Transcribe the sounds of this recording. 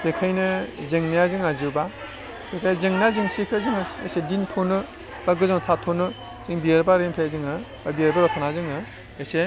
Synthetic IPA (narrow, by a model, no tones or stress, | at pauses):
b̥ekʰajnɯzeŋnijazɯŋazɯba | pekʰajzeŋnazɯŋsepʰezɯŋɯḛsedintʰonɯ | b̥aɡɯzaŋtʰatʰonɯ | z̥ɯŋbijeɾbaɾempʰejazɯŋɯ | b̥abieɾbaɾɔtʰanazɯŋɯ | ese